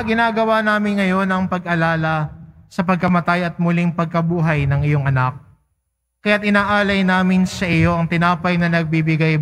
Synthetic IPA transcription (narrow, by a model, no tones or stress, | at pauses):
ɡɪnaːɡɐwanaːmɪnŋɐjo̞nɐŋpɐɡʔɐlaːlɐsɐpɐɡ̚kɐmɐt̪ajɐt̪̚mʊliŋpɐɡ̚kɐbuːɦɐjnɐŋɪjo̞ŋɐnak̚ː | ɐjat̪ʔɪnaːʔaːlɐjnaːmɪnsɐʔɪjo̞ʔɐŋt̪ɪnaːpɐjnɐnɐɡ̚bibɪɡaj